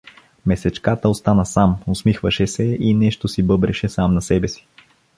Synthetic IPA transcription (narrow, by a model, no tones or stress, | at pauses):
mɛsɛt͡ʃkat̪əost̪anəsamosmixvɐʃɛsɛinɛʃt̪osibɤbɾɛʃɛsamnɐsɛbɛsi̥